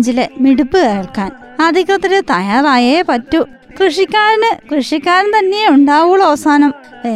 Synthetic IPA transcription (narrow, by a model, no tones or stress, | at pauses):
ɲd͡ʑilemiɽupːɨeːɭkaːn | ɐd̪ʱikɐt̪ːɐɾɨt̪ɐjaːraːjepɐtːu | krɨʂikʲːaːɾɐnɨkrɨʂikʲːaːɾɐnt̪ɐnːejeuɳɖaːʋuɭːɐʋɐsaːnɐm | e